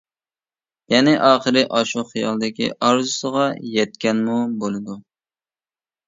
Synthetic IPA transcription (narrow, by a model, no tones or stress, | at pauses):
jɛnɪʔɑːχəɾɪʔɑʃuχijɑ̰lˠd̪ɪkʲḭʔɑɾzusəʁɑjɛt̪̚kʲɛnmubolˠɨd̪u